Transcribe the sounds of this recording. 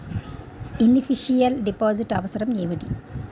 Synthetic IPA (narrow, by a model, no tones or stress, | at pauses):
inufiʂijɐlɖipːoːsiʈːɐʋɐsɐɾɐmɲejʋɐɽḭ